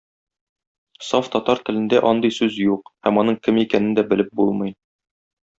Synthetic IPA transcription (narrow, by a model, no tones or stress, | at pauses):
sɒft̪ɒt̪ɑɾt̪ɘ̆lɘ̆nd̪æʔɒnd̪ɤjsʉzjuqhæmɒnɤɴkɘmikænɘ̆nd̪æbɘ̆lɘp̚bulˠmɤ̆j